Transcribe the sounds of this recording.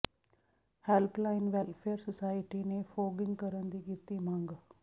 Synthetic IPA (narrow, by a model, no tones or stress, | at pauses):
hɛlplaːɪnʋɛlfʰeːəɾsɔsaːɪʈinefoːɡɪ̃ŋɡkəɾənd̪iɡit̪imãːŋɡ